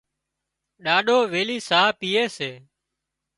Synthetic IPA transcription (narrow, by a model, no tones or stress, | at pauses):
ɗaːɗoːʋeːliːsaːpiːeːseː